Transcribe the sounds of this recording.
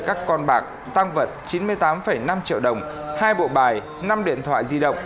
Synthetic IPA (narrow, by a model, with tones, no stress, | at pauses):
kaː˦˥kːɔ˧nɓaː˨˩k̚ | t̪a˧ŋvə˨˩t̚t͡ɕi˨˦nmɨ˧əjt̪aː˨˦mfə˧˩jna˧mt͡ɕḭ˧˨əwɗə˨˩wŋ͡m | haː˧jɓo̰˧˨ɓaː˨˩j | na˧mɗḭ˧˨ənt̪ʰwa̰ː˧˨jzi˧ɗə̰˧˨wŋ͡m